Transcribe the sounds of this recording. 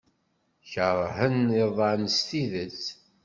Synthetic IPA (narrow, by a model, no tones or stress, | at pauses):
çəɾˤhəniðˤɑnst̪iðət͡s